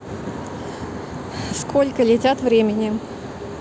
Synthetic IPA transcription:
skʰo̞lʲkəlʲɪtʲat̪vɾʲemʲɪnʲɪ

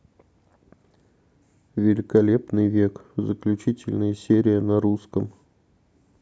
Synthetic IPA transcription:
vʲɪlʲɪkɐlʲe̞pnɨjvʲekzəklʲʉt͡ɕitʲɪlʲnəjəsʲeɾʲɪjənɐɾuskəm

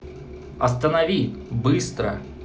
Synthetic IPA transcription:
ɐst̪ənɐvʲit̪ʲbɨst̪ɾə

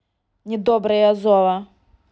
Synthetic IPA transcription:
nʲɪd̪ɔbɾɐjɐzɔvɐ

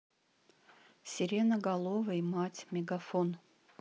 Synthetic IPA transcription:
sʲɪɾʲenəɡalˠovəimatʲmʲeɡafon

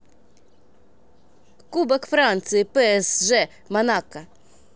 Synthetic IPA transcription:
kubɛkfɾant̪sɨjipɛɛsʐɛ | manakɐ

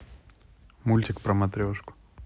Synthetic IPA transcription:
mulʲt̪ʲɪkpɾəmɐt̪ɾʲoʂkʊ̥

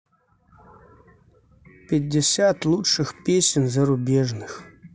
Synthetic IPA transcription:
pʲɪdʲːɪsʲat̪lˠutʂɨxpʲesʲɪnzɐɾʊbʲeʐnɨx

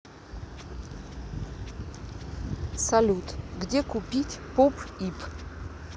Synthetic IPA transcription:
salʲut̪ʰʼɡdʲɛkupʲitʲpɔpʰipʰ

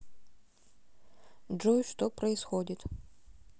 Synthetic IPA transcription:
ʐujʂt̪opɾɐɪsxodʲɪt̪

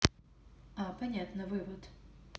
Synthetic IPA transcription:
apɐnʲat̪nɨvɨvət̪

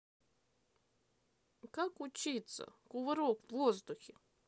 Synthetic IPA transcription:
kakʊt͡ɕit̪sə̰kʊvɨɾokvvozd̪ʊxʲɪ

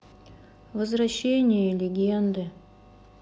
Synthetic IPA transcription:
vəzvɾɐɕːenʲɪjəlʲɪɡʲend̪ɨ

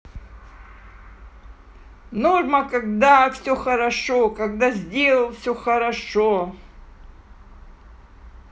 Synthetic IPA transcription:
normɐkaɡ̚d̪afsʲoxɐɾɐʂokaɡ̚d̪azʲdʲelˠəlˠfsʲoxɐɾɐʂo

